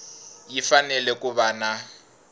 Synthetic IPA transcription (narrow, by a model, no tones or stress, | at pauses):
jifanɛlɛkʼuβana